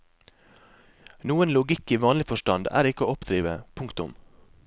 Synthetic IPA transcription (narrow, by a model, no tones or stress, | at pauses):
nuːənlʊɡɪkiːʋɑːnlɪfɔʃʈɑnd̪æ̰ːɾɪkəoːɔpd̪ɾiːʋəpʰʊŋkt̪ʊ̰m